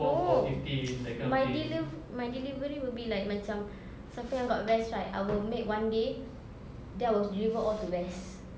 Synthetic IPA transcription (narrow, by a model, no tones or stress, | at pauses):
oitilakmajdiliv | majdilivəɹiwilbilajk̚mãt͡ʃãm | sãmt̪ĩŋəbaʊt̚ɹɛsɹaɪta̰jwəlmek̚wãnde | dɛ̃nawɔsdɹivəɔltuɹɛs